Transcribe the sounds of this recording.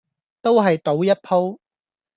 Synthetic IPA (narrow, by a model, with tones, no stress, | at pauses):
t̪o˥wɦɐ˨jt̪o˨˥wjɐ˥t̚pʰo˥w